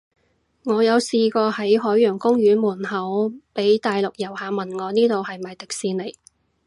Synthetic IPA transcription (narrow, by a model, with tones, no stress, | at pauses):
ŋɔː˨˧jɐ˨˧wsiː˧kɔː˧hɐ˨˥jɦɔː˨˥jːœː˨˩ŋkʊ˥ŋjyː˨˥nmuː˨˩nɦɐ˨˥wpe˨˥jt̪aː˨jlʊ˨k̚jɐ˨˩whaː˨mɐ˨nŋɔː˨˧niː˥t̪o˨whɐ˨jmɐ˨jt̪ɪ˨k̚siː˧nle˨˩j